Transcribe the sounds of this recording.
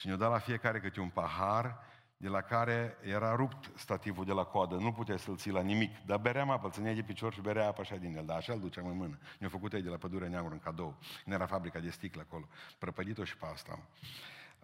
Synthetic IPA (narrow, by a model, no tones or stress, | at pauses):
ʃinod̪alafije̞kaɾe̞kɨt̪ɾʲeunpaɦar | d̪e̞lakaɾe̞jeɾaɾupt̪st̪at̪ivud̪e̞lakoad̪ənuput̪easəlt̪silanimikd̪abeɾeamapəlsənejad̪ep̬it͡ʃo̞rʃibeɾeaapaʃad̪injeld̪aːʃald̪ut͡ʃeamɨnmɨnənjofəkut̪ajd̪elapəd̪uɾeaneamuɾɨŋkad̪owkɨnjeɾafabɾikad̪e̞st̪iklako̞lo̞pɾəpəd̪it̪oʃi̥past̪a̰m